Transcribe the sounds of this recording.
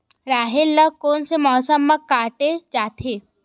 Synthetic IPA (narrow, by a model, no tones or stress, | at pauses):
ɾaːɦɪlːəkoːnsemɔːsəmːɐ̃kaːʈed͡ʒaːt̪ʰeː